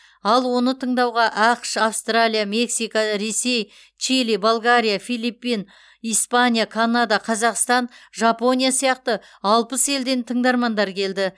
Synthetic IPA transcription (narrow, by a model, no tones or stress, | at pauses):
ɑlˠwo̞nət̪ʰəɴd̪ɑwʁɑʔɑqʃafst̪ralʲijame̞ksijkaɾe̞se̞j | t͡ʃilibolˠɡaɾijafijlˠipːin | ijspanʲijakʰanad̪ɑqʰɑzɑqst̪ɑnʒɑpo̞nʲijasijɑqt̪ə | ɑlˠpəse̞ld̪e̞nt̪ʰəɴd̪ɑɾmɑnd̪ɑɾkʲʰe̞ld̪ɪ